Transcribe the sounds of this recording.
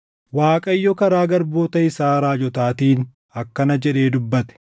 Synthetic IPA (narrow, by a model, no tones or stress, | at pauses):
waːkʼɐjːɔkɐɾaːɡɐɾbo̞ːt̪ɐɪsaːɾaːd͡ʒɔt̪aːt̪iːn | ɐkːɐnɐd͡ʒɛᶑe̞ːd̪ʊbːɐt̪ɛ̥